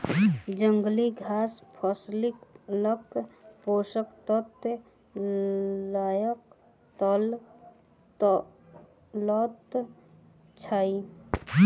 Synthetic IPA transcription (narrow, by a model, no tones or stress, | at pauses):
d͡ʒə̃ŋɡliɡʱaːspʰɔslɪkləkpoːsəkt̪ɔt̪ | laːjək | t̪ɔl | lɔt̪ | t͡ʃʰaːi